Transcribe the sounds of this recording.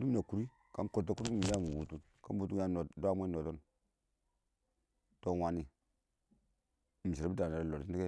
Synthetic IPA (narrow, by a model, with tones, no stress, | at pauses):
du˦m˦na˨ku˨ɾi˦ | ka˦m˦ko˨tːa˦ku˦ɾu˦mi˨˦a˦˨mu˨wu˨tu˦n | ka˦m˦bu˦tu˦ja˦o˨dʷa˦m˦e˦no˨to˦n | to˦wa˨ni˨ | m̩˨si˨ɾbi˦da˨na˨ɾa˨lo˨ti˦ni˦ke˦